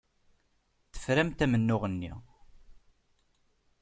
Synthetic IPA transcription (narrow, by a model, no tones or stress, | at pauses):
θə̥fɾæmt̪æmənːʊʁənːḭ